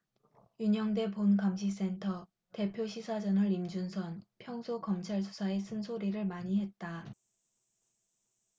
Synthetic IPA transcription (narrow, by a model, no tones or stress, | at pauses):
juɲʌŋde̞ponkamɕʰis̬͈e̞ntʰʌ | te̞pʰjoɕʰisʰad͡ʑʌnɯɾimd͡ʑunsʰʌnpʰjʌŋsʰokʌmt͡ɕʰaɭsʰu̥sʰae̞s͈ʰɯnsʰoɾiɾɯɭmaɲiɦe̞t̚t͈a